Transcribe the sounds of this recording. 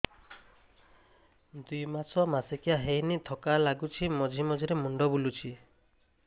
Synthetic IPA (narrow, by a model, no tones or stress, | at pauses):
d̪ujmat͡ʃʰɔmasekijaɦejnit̪ʰɔkalaɡut͡ʃʰimɔd͡ʒʱimɔd͡ʒʱiɾemuɳɖɔbulut͡ʃʰi